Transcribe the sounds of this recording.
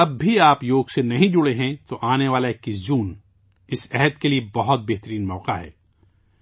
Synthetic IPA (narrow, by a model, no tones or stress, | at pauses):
ɐbːʱiaːpjoːɡsenɐɦĩd͡ʒʊɽeɦɛ̃t̪oʔaːneʋaːlaeːkːɪzuːn | ɪsɛɦɛd̪keliebɐɦʊt̪̚beɦt̪əɾiːnmɔːqaɦɛ̰ː